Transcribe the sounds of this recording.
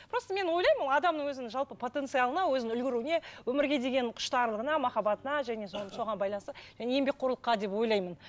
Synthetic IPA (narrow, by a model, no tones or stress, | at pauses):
pʰɾo̞st̪əme̞nwo̞jlˠɑjmənɑd̪ɑmnəɴwɵzɪnɪŋʒɑlˠpəpʰo̞t̪ent̪sɨjɑlˠənɑwɵzɪɪnʏlɡʲɪɾune̞wɵmɪɾɡʲe̞d̪e̞ɡʲe̞nqʰʊ̥ʃt̪ɑɾlˠəʁənɑmɑχɑbɑt̪ənɑʒæne̞soso̞ʁɑnbɑjlˠɑnsəʒ̥æne̞jembe̞k̚ʲqʰoɾlˠəqːɑd̪epwo̞jlˠɑjmən